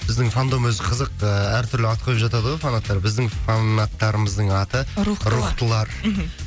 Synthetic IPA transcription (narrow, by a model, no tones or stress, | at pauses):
ɪzd̪ɪŋfand̪o̞mwɵzɪqʰəzəqəæɾt̪ʰʏɾlɪɑt̪̚qʰojpʒɑt̪ɑd̪əʁwojfanat̪ːɑɾbɪzd̪ɪŋfanːat̪ːɑɾəməzd̪əɴɑt̪əɾɾuqt̪əlˠɑɾ